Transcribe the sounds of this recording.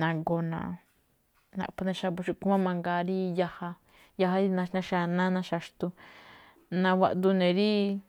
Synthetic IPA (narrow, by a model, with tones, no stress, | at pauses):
nã˧ɡo˧nã̰˨ | nã̰˧˨pu˧nẽ˧ʃa˧bu˧ʃu˧ku˦mã˦mã˧ŋɡa˧ɾi˦ja˧ha˧ | ja˧ɦa˧ɾi˦nã˧nã˧ʃa˧nã˦nã˧ʃa˧ʃt̪u˧ | nã˧wa̰˧ʔd̪u˧nẽ˨ɾi˦